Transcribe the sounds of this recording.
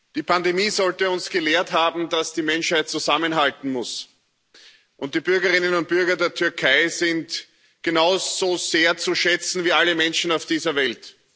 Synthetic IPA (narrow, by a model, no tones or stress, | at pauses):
d̥iːpʰandemiːzɔltəʊnsɡ̥əleːɐtɦaːbm̩dasd̥iːmɛnʃhaɪt̚t͡suzamənɦaltn̩mʊs | ʔʊnt̚d̥iːbʏɐɡəʁɪnənʊnt̚b̥ʏɐɡɐdeːɐtʰʏɐkʰaɪzɪnt | ɡ̥enaʊz̥oːz̥eːɐt͡suʃɛt͡sn̩viːaləmɛnʃn̩aʊfd̥iːzɐvɛlt